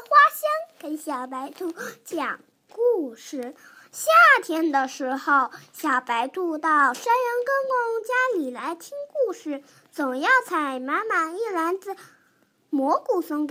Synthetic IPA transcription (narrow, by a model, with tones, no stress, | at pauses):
xwa˥ɕjɛ˥nkə˧˥˩ɕjɑ˨˩ʊpa˧˥ɪt̪u˥˩t͡ɕjɑ˨˩ŋ | ku˥˧ʂɻ̩˥˩ | ɕja˥˩t̪ʰjɛ˥nd̪ə˨ʂɻ̩˧˥xo˥˧ʊɕjɑ˨˩pa˧˥ɪt̪u˥˧t̪ɑ˥˩ʊʂa˥nɻə˧˥nkɤ˥ŋnʊ˧˥ŋt͡ɕja˥li˨˩la˧˥ɪt̪ʰi˥ŋku˥˧ʂɻ̩˥˩ | t͡sʊ˨˩ŋjɑ˥˩ʊt͡sʰa˧˥˩ɪma˧˥nma˨˩ni˥˩la˧˥nt͡sɹ̩˧˩ | mwɔ˧˥ku˨˩sʊ˧˥ŋk